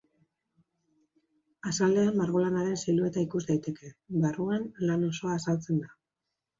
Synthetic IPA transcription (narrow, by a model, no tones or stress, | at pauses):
asald̪e̞ammaɾɣ̞o̞lanaɾe̞nsalue̞t̪aikuzd̪ajt̪e̞ke̞βaruenlano̞so̞aːsalt͡se̞nd̪a